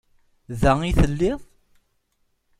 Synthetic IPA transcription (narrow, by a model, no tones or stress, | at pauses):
ðæiθəlːɪðˤ